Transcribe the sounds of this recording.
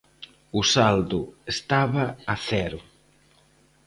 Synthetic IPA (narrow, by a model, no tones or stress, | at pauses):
ʊsald̪ʊest̪aβɐːθɛɾʊ